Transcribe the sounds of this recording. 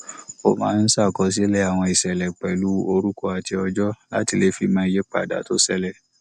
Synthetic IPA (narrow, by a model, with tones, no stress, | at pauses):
o˨mã̰ː˨˦n̩˦sa˦˨kɔ˧˦s̬i˦lɛ˦a˨w̃ɔ̃˧i˨sɛ˨lɛ˨k͡pɛ˨lu˦o˧ɾu˦ko˦a˨ti˧ɔ˧d͡ʒɔ˦la̰˦ti˧le˦fi˧˨mã˧˦i˧je˦k͡pa̰˨da̰˨to˦sɛ˧lɛ˨